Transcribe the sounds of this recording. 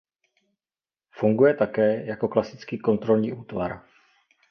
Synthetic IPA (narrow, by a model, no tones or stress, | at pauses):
fuŋɡujɛt̪akɛːjako̞klasɪt͡skiːko̞nt̪ɾo̞lɲiːʔuːt̪va̰ɾ